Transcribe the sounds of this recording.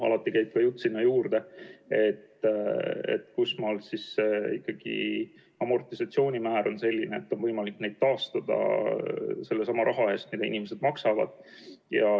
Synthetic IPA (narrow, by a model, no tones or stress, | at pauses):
ɑ̰lɑt̪ːˑikæjb̥̚kɑjut̪ːˑsinːɑjuːɾd̪̥e̞e̞t̪ː | ḛt̪ːkusmɑlsisseikːɑɡ̥ḭ | ɑmo̞rt̪isɑt̪sio̞ːnʲimæːɾo̞nse̞lʲːineet̪ːo̞nvɤjmɑlikːne̞jd̪̥̚t̪ɑːst̪ɑd̪̥ɑ̰ | se̞lːesɑmɑɾʔɑɦɑest̪̚mid̪ɑḭnime̞se̞d̪̥mɑksɑvɑ̰d̪̥̚ | jɑ